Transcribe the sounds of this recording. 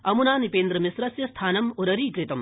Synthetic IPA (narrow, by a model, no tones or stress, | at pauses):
ɐmunaːnipeːnd̪ɾɐmisɾɐsjɐst̪ʰaːnɐmoɾɐɾiːkɾɪt̪ɐm